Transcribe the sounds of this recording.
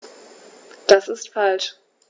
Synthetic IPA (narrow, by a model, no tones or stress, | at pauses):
d̥asɪstfalʃ